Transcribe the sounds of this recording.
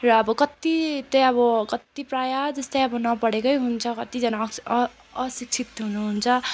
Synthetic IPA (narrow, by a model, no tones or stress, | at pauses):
rʌːbʌkʌt̪it̪ʌjʌβʌkʌt̪iprajad͡zʌst̪ajʌbʌnʌpʌɽekʌjɦunt͡sʰʌkʌt̪id͡zʌnaː | sik̚t͡sʰit̪ɦunuɦunt͡sʰʌ